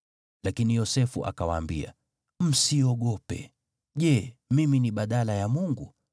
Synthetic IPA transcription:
lakinijɔsɛfuʔa̰kawaːmbḭa̰ | m̩siɔɠɔpɛ̰ | ʄɛmiminiɓaɗalajamuŋɡu

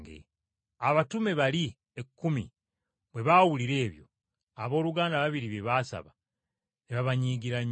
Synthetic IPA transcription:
ɡḛ | aβatume̞βali | ekːumḭ | βwe̞βawuliɾe̞ːβjo̞̰ | aβo̞ːluɡaːndaβaβiɾiβeβaːsa̰βa | neβaβaɲiːɡiɾaɲ

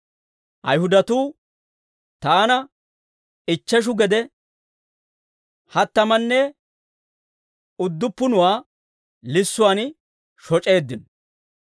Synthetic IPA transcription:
ʔɐjhʊd̪ɐt̪uː | t̪aːnɐ | ɪt͡ʃːɛʃ̬ʊɡɛd̪ɛ | hɐt̪ːɐmɐnːɛ | ʊd̪ːʊpːʊnʊwaː | lɪsːʊwan | ʃɔt͡ʃʼe̞ːd̪ːɪnɔ

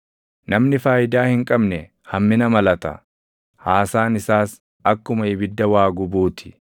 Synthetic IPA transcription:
nɐmnɪfaːjɪd̪aːhɪŋkʼɐbnɛ | hɐmːɪnɐmɐlɐt̪ɐ̰ | haːsaːnɪsaːs | ɐkːʊmɐɪbɪd̪ːɐwaːɡʊbuːt̪ʰɪ̥

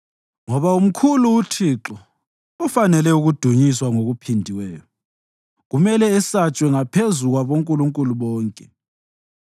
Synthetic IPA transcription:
ŋɔβaum̩kʰuluutʰiːǁɔ | ufanɛlɛuɣud̥ʱuɲiswaŋoɣupʰindʱiwɛːjɔ | ɣumɛlɛɛsat͡ʃʼwɛŋapʰezuɣwaβoŋkʼuluŋkʼuluβɔːŋkʼɛ

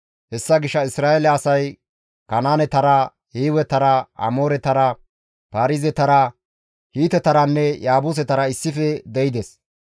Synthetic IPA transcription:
hɛsːɐɡɪʃːɐɪsɾaːelɛɐsɐj | kɐnaːnɛt̪ɐɾɐ | hiːwɛt̪ɐɾɐɐ̰moːɾɛt̪ɐɾɐ | paːɾɪzɛt̪ɐɾɐ | hiːt̪ɛt̪ɐɾɐnːɛjaːbuːs̬ɛt̪ɐɾɐɪsːɪfɛd̪ɛjɪd̪es

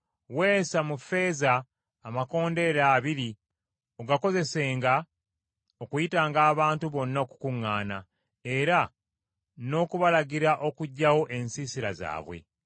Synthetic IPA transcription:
we̞ːsamufe̞ːzaː | mako̞ːnde̞ɾaːβiɾi | o̞ɡako̞ze̞se̞ːŋɡa | okujitaːŋɡaːβaːntuβo̞nːaoku̥kuŋːaːna | eɾa | no̞ːkuβalaɡiɾaʔo̞kuɟːawo̞ʔe̞nsiːsiɾa̰za̰ːβwe̞̰

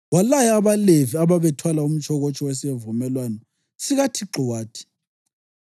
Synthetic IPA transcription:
walajaːβaleviaβaβɛtʰwalaum̩t͡ʃʼʰɔɣot͡ʃʰʼɔwɛs̬ievumɛlwanɔ | siɣatʰiǁɔwaːtʰi̥

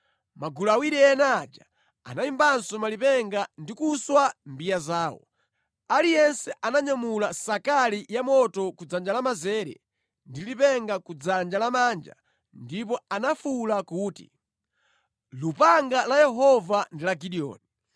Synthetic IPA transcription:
maɡulawiɾɛɛnad͡ʒa̰ | a̰naimbansɔmalipɛŋɡandikuswambijazaːwɔ̰ | alijɛnsɛanaɲamulasakalijamɔtɔkud͡zand͡ʒalamazɛɾɛ̰ | ndilipɛŋɡakud͡zand͡ʒalamaːnd͡ʒa̰ | ndip̬ɔanafulakuːtḭ | lupaŋɡalajɛɦɔvandilaɡiɗiɔ̰ːni

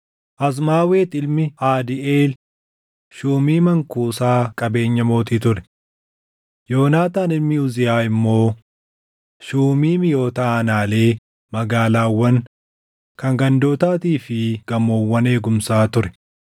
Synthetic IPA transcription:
ʔɐs̬maːwe̞ːt̪ɪlmɪaːd̪ɪʔeːl | ʃuːmiːmɐŋkuːsaːkʼɐbe̞ːɲːɐmo̞ːt̪iːt̪ʊɾɛ̥ | jo̞ːnaːt̪aːnɪlmɪʊzɪjaːɪmːo̞ː | ʃuːmiːmɪjo̞ːt̪ɐɐnaːle̞ː | mɐɡaːlaːwːɐŋ | kɐŋɡɐnd̪o̞ːt̪aːt̪iːfɪɡ̥ɐmːoːwːɐne̞ːɡʊmsaːt̪ʊɾɛ̥

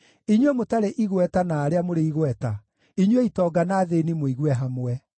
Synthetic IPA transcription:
iɲwemotaɾeʔiɣwɛtanaːɾeamoɾeiɣwɛta | iɲweitɔːɡanaːðenimoiɣwɛɦamwɛ

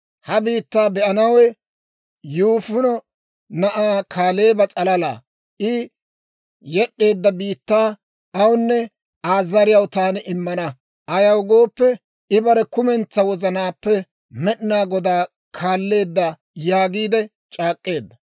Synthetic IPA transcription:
hɐbiːt̪ːaːbɛʔɐnɐwɛ | juːfʊnɔ | nɐʔaːkʰaːle̞ːbɐt͡sʼɐlɐla̰ː | ʔɪ | jɛɗːe̞ːd̪ːɐbiːt̪ːaː | ɐwʊnːɛ | aːzːɐɾɪjɐwt̪aːnɪʔɪmːɐnɐ | ʔɐjɐwɡo̞ːpːɛ | ɪbɐɾɛkʊmɛnt͡sːɐwɔzɐnaːpːɛ | mɛʔnaːɡɔd̪aː | kʰaːlːe̞ːd̪ːɐ | jaːɡiːd̪ɛ | t͡ʃʼaːkʼːe̞ːd̪ːɐ

